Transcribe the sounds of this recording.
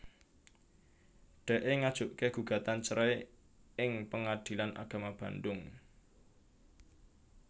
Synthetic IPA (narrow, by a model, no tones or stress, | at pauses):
ɖ̥ɛ̤ʔeŋad̥ʒ̥ʊʔkeɡ̥ṳɡ̥ä̤t̪ant͡ʃəɾɛj | ɪŋpəŋad̪̥i̤lanʔa̰ɡ̥a̤mab̥ä̤ndʊŋ